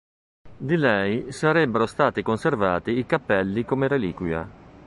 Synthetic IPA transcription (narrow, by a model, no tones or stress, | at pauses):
d̪ilɛjsaɾɛbːeɾost̪aːt̪ikonservaːt̪iːkapːɛlːikomeɾeliːkwja̰